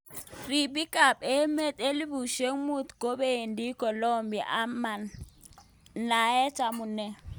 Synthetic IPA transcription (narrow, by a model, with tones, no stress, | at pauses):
ri˨pi˦kʼa˨pe˦me˦tʼe˦li˦βu˨ʃe˦ŋ˦mu˦˨tɡ̥ʱo˦ɓe˦e˨ndi˦kɔ˨lɔ˦mbi˨ʔa˦ma˨n | na˨ɛ˦t͡ʃʼa˨mu˨nɛ˦